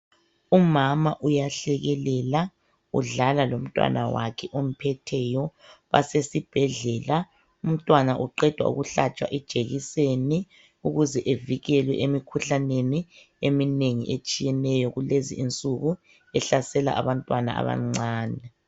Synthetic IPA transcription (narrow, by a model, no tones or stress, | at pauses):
umamaʔujaɬɛɣɛlɛla | ṵɮalalom̩tʼwa̰nawa̰kʰɛʔom̩pʰɛtʰɛjɔβa̰sesib̥ʱɛɮɛla | um̩tʼwanaʔuǃɛd̥ʱwa̰ṵɣuɬat͡ʃʼwa̰ʔɛd̥ʒ̥ʱeɣiseni | uɣuzɛʔeviɣɛlwɛʔemikʰuɬaneni | emineŋḭʔet͡ʃʼijɛnɛjɔɣulezḭint͡sʼuɣu | ɛɬasɛla̰ʔa̰βantʼwana̰a̰βa̰ŋ͡ǀaːnɛ